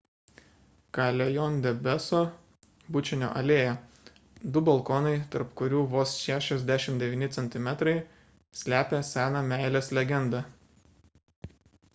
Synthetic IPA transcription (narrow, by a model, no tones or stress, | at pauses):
kɑlʲɛjɔnʲd̪ʲɛbʲɛsoː | bʊt͡ʃʲɪnʲo̰ːʔɐlʲeːjɛ | d̪ʊbɐlˠkoːnɐɪt̪ɐ̰ɾpkʊɾʲuːʋoːsʃʲæːʃʲɛzʲd̪ʲæːʃʲɪmd̪ʲɛʋʲiːnʲɪt̪sʲɛnʲt̪ʲɪmʲɛt̪ɾɐɪ | sʲlʲæːpʲeːsʲæːnɑmʲæˑɪlʲeːslʲɛɡʲɛnd̪ɑ